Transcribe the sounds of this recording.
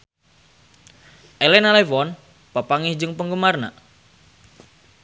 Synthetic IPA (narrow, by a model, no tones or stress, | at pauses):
ʔɛlɛnalɛwɔn | papaŋɪhd͡ʒɨŋpəŋɡəmarna̰